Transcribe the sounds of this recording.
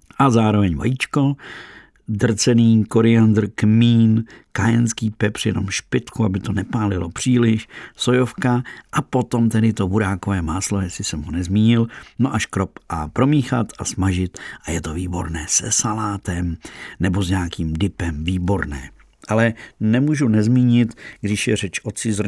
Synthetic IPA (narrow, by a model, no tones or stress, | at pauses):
ʔazaːɾo̞vɛɲva̰jit͡ʃko̞ | dr̩t͡sɛniːkoɾɪand̪r̩kmiːnkajɛnskiːpɛprjɛno̞̰mʃpɪt̪kuabɪt̪o̞nɛpaːlɪlo̞pr̝̥iːlɪʃsojo̞fkaʔapo̞t̪o̞mt̪ɛdɪt̪o̞buɾaːkovɛːmaːslo̞jɛsɪsɛmɦonɛzmiːɲɪlno̞ʔaʃkɾo̞pʔapɾo̞miːxat̪asmaʒɪt̪ʔajɛt̪oviːbo̞̰ɾnɛːsɛsalaːt̪ɛmnɛbo̞zɲaːkiːmdɪpɛmviːbo̞ɾnɛ̰ː | ʔalɛnɛmuːʒunɛzmiːɲɪt̪ɡdɪʃjɛr̝ɛt͡ʃʔo̞t͡sɪzr